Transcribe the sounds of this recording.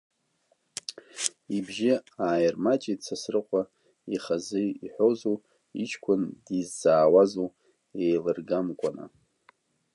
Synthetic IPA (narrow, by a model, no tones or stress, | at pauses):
ibʒɪaːjɪrmat͡ʃʼit͡sʰasrɨqʷʼa | iχazɨjiħʷozo | ḭt͡ʃʰkʷʰʊndizːaːwazo | ejlɨrɡamkʷʼana̰